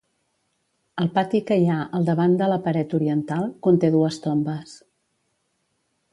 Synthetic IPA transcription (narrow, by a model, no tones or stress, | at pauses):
əlˠpat̪ikəjaʔəlˠd̪əβand̪ələpəɾɛt̪uɾiənt̪alˠkunt̪eðuəst̪ombəs